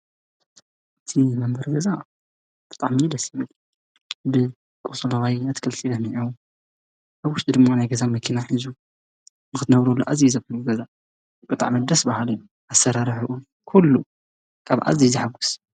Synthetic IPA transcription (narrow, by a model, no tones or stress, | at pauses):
ʔɨt̪ʰimɐmbɐɾɡɐza | b̥ɨ̥t̪ʼaʕmid̪ɐsjiβɨl | bɨ | kʼosʼɐlaβajɐt̪ʰɨ̥kʰɐlt̪ʰidɐniʕu | ʔaβwʊʃt̪ʼid̪ɨmːanajɡɐzamɐkʰːinaħizu | nɨxɨt̪ʰɨnɐβɾulːuʔazizɐβluɡɐza | bɨt̪ʼa̰ʕmɨd̪ɐsbahalɨju | ʔasɐɾaɾħuʔu | kʰulːu | kʰaβʔa̰ziziħaɡu̥s